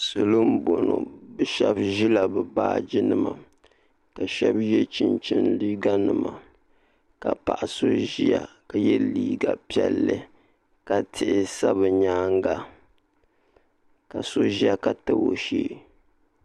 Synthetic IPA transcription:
sɨ˨lɨ˦m̩˦bo˨no̰˨bɨ˦ʃɛ˦bʒi˦la˨bɨ˨baː˦˨d͡ʒi˦nɨ˦ma˨ | ka˨ʃɛ˦bjɛ˦t͡ʃi˨nt͡ʃɪ˦nliː˦ɡa˦nɨ˨ma˨ | ka˨pa˨ʔa˨so˦ʒi˦ja̰˨ | ka˨jɛ˦liː˦ɡa˨pi˦ɛ˦˨lːɨ˦ | ka˦˨tʰɪ˨ʔɪ˨sa˦βɨ˨ɲaː˦ŋɡa˦ | ka˨so˦ʒi˦ja˦ka˨tɨ˨wo˨ʃiː˦

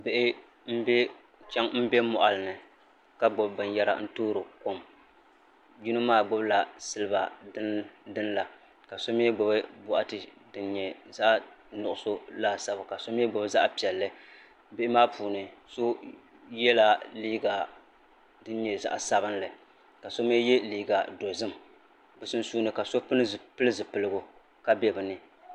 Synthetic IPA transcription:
bɪ˨ʔɪ˦ | m̩˦bɛ˦ | t͡ʃɛ˦ŋm̩˦be˦mɔ˨ʔa˨lɨ˨nɨ˨ | ka˦ɡ͡bʊ˨bbɨ˨njɛ˦ɾa̰˨n̩˦toː˦ɾo˨ko˦m | d͡ʒu˦nɨ˦maː˦ɡ͡bʊ˦bla˨sɨ˦lɨ˦ba̰˨dɨ˦dɨ˦n˦la˨ | ka˨so˦m˦ɛ˦ɡ͡bʊ˨bɨ˦bʊ˨ʔa˦tɨ˨dɨ˨nɲɛ˨za˦ʔ | nʊ˨ʔʊ˦so˦la˦sa˨ba˨ka˨so˦m˦ɛ˦ɡ͡bʊ˨bza˦ʔpi˨ɛ˨lːɨ˦ | bɪ˦ʔɪ˦maː˦pʰuː˨nɨ˨so˦ | jɛ˦la˦liː˦ɡa˨ | dɨ˦nɲɛ˨za̰˦ʔa˨sa˦bɨ˦nlɨ˨ | ka˨so˦m˦e˦jɛ˦liː˦˨ɡa˨do˨zɨ˦m˨ | bɨ˨sɨ˦n˦suː˦nɨ˨ka˨so˦pɨ˦nɨ˦˨pɨ˦lɨ˦zɨ˨pɨ˨lɨ˦ɡʊ˦ | ka˦bɛ˦bɨ˨nɨ˨

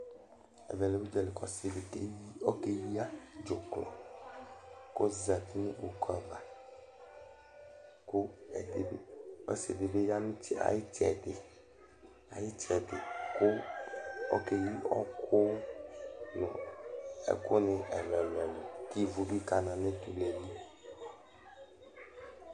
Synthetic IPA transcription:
ɛ̰˨vɛ˨le˨wu˦d͡ʒɛ˨le˨kɔ˨si˨le˨e˦o˦ke˦ji˦a˦d͡ʒo˨klɔ̰˨ | ko˦za˨t̪i˦nĩ˦ṵ˨ka˨ba˨ | ko˦ɛ˨de˨bḛ˦o̰˦sḛ˨de˨be˦ja˦nũ˦i˦a̰˨ji˦t͡ʃɛ̰˨de˨ | a̰˨ji˦t͡ʃɛ˨de˨ko˦ | ɔ̰˦ke˨ji˦ɔ̰˦kʰo˦ | nɔ̰̃˨ḛ˨ko˦nẽ˨ɛ˨lɛ˨lɛ˨lo˨ki˦vu˦bi˦ka˨nã˨nẽ˦t̪u˨lɛ˨li˦

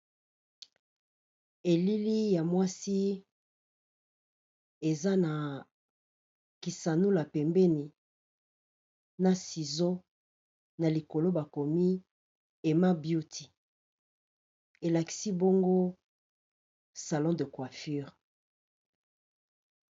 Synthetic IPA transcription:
e˨li˦li˦ja˨mwa˦si˦ | e˨za˦na˨ | ki˨sa˨nu˦la˨pɛ˨mbɛ˦ni˨ | na˨si˨zo˦ | na˨li˨ko˨lo˦ba˨ko˨mi˦ | e˨ma˦bju˦ti˨ | e˨la˨ki̥˦si˦bo˦ŋɡo˦ | sa˨lɔ̃˦de˨kwa˨fy˦ʁ

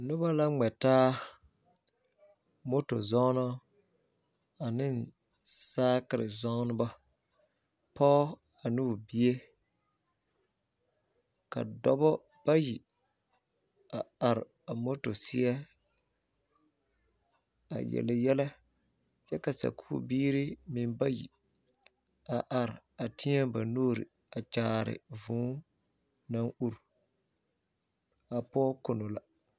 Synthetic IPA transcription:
nʊ˦ba˦la˦ŋ͡mɛ˨taː˦ | mo˦to̰˨zɔ˦nɔ˦ | a˨nɪ˦˨n | saː˦kɪ˨ɾɪ̰˨zɔ˦nʊ˦ba˦ | pɔ˦ | a˨nu˦˨bi˦e˦ | ka̰˨dɔ˦bɔ˦ | b̥a˦ji˨ | a˨a˨ɾɪ˨ | a˨mɔ˦tʊ˨sɪ˦ɛ˦ | a̰˨jɛ̰˨lɛ˨jɛ˦lɛ˦ | t͡ʃɛ˦ka˨sa̰˨kʰṵː˦biː˦ɾi˦mɪ˨mba˦jḭ˨ | a˨ʔa˨ɾɪ˨ | a˨tɪ˦ɲɛ˦ba˨noː˦ɾḭ˨ | a˨t͡ʃaː˨ɾɪ̰˨vũː˨˦ | nã˦ŋu˦ɾ | a˨pɔ˦kʊ˨nʊ˨la˨

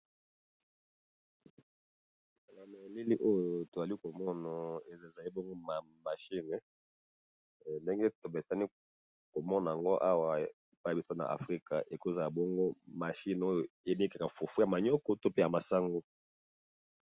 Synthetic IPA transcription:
na˨me˨li˦li˦ʔo˦jo˨to˨a˨li˦ko˨mɔ˦na˨e˨zza˨li˦bɔ˦ŋɡo˦ma˨ | ma˨ʃi˦n˨ | nde˦ŋɡe˦to˨be˨sa˦ni˦ | ko˨mɔ˦na˨a˨ŋɡo˦ʔa˦wa˦˨e˨pa˦˨a˨bi˦so˦na̰˨ʔa̰˨fʁi˦ka̰˨ʔe˨ko˦za˨la˨bɔ˦ŋɡo˦ma˨ʃi˦n˨o˦jo˨e˨˦n˦ka˨ka˨fo˨fu˦ja˨ma˨ɲɔ˦kɔ˦to˦pe˦ja˨ma˨sa˦ŋɡo˦

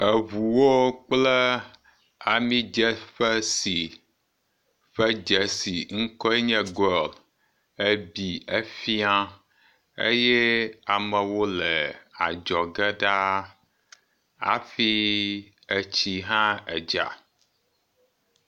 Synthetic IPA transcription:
ə˨vu˨wo˦k͡plɛ˦ | a˨mĩ˦d͡ʒɛ˦ɸə˦si˨ | ɸɛ˦d͡ʒɛ˨si˨ŋ̩˦kɔ˦ɛ˦ɲɛ̃˦ɡɔ˦l | ə˦bi˨ə˦fi˦a˦ | ḛ˦jɛ˦a˨mə˨wo˦lɛ˨a̰˨d͡ʒɔ˨ɡɛ˦ɖa˦ | a̰˨fi˦ | ə˨t͡ɕi˦ɦã˦ɛ̰˨d͡ʒa̰˨

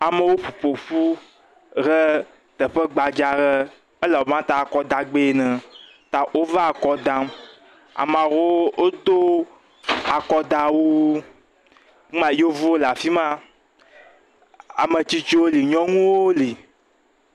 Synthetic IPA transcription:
a˨me˨wo˦ɸu˨ɸo˨ɸu˦ | ɣə˦ | t̪ə˨ɸə˦ɡ͡ba˨d͡ʒa˨ɣə˦ | ə˦la˨wo˨mã˦t̪a˨kɔ˦d̪a˨ɡ͡be˦˨nɛ̃˨ | t̪a˨ʔo˦va˦a˨kɔ˦d̪a˦m | a̰˨mã˨wo˦o˦t̪o˦ | a˨kɔ˦d̪a˨wu˦ | mã˦jo˦vo˦o˦la˨fi˦mã˦ | a̰˨me˨t͡ɕi˦t͡ʃo˦wo˦li˨ɲɔ̃˦ŋũ˦wwo˦li˨

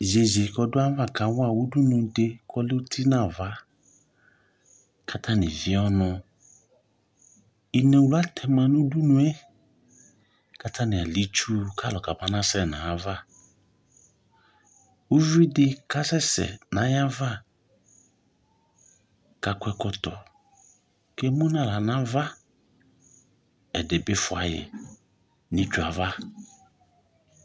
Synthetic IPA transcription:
ze˨ze˨kɔ˨dʊ˦a˦va˦˨ka˨˦wa˦˨wu˦du˦nũ˨de˦kʰɔ˦lɪ˦u˦tʰi˦nã˨va˦ | kʰa˦tʰa˦nɪ˨vɪ˦ɔ˦nʊ̃˧ | i˨nɛ̃˨wu˨la˦tʰɛ˨mã˨nu˦du˦nũ˨e˦ | ka˦tʰa˦nɪ̃˨a˨li˦t͡ʃu˦kʰa˦˨lɔ˨ka˨ba˨nã˦sɛ˦˨nã˨a˨˦va˦˨ | u˦vi˦dɪ˦ka˦sɛ˦sɛ̰˨nã˨˦ja˦va˦ | ka˨kʷɛ˨kɔ˨tɔ˨ | kɛ˦mʊ̃˦nã˦˨la˨nã˦va˦ | ɛ˨dɪ˨bɪ˦fʊ˨a˨jɛ̰˨ | nɪ̃˨t͡ʃu˨a˨va˦

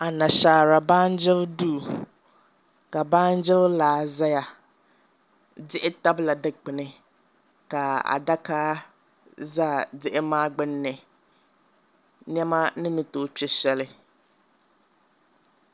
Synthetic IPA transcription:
a˨na˨ʃaː˨ɾa˨baː˦n̩˦d͡ʒɪ˦ldu˦˨ | ka˨baː˦n̩˦d͡ʒɪ˦llaː˨za˦ja˨ | dɪ˦ʔɪ˦ta˦bla˨dɪ˦k͡pɪ˨nɪ˨ | ka˨a̰˨da˦kaː˦ | zaː˦˨dɪ˦ʔɪ˦maː˦ɡ͡bɪ˦nːɪ˨ | nɛ˦ma˦nɪ˦mɪ˨toː˨˦˨t͡ʃɛ˦ʃɛ˦lɪ˦

